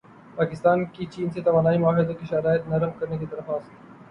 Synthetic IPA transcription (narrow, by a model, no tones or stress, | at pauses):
paːkɪst̪aːnkit͡ʃiːnset̪ɐʋaːnaːimʊaːɦɪd̪õkiʃɐɾaːjət̪nɐɾəmkɐɾnekit̪ɐɾəfaːs